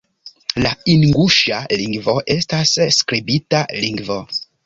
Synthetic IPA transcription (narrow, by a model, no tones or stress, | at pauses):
lainŋɡuʃaliŋɡvo̞ʔe̞stasːkɾibitaliŋɡvo